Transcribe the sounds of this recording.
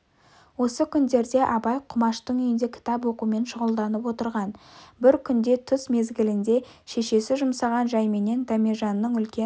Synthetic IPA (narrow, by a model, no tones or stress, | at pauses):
wo̞səkʲʰʏnd̪e̞ɾd̪e̞ʔɑbɑjqʰʊmɑʃt̪əɴʏjɪnd̪ekʲʰɪ̥t̪ɑpwo̞qume̞nʃʊʁəlˠd̪ɑnəpwo̞t̪əɾʁɑnbɪɾkʲʰʏnd̪e̞t̪ʰʊsme̞zɡʲɪlɪnd̪e̞ʃe̞ʃe̞sɪʒʊmsɑʁɑnʒɑjme̞ne̞nd̪amʲeʒɑnːəɴʏlkʲe